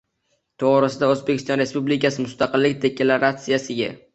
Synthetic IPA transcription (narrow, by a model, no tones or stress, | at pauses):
t̪ʰoʁɾɪsɪd̪aɵzbekʲʰɪst̪ɒnɾe̞spublɪkʲasɪmʊst̪ɑqɨlːɪkʲd̪ekʲʰelaɾat̪sɪjasɪɡʲa̰